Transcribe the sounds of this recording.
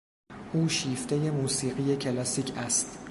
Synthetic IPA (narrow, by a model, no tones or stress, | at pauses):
ʔuːʃiːft̪e̞je̞muːsiːɢije̞cʰelɒsiːcʰæst̪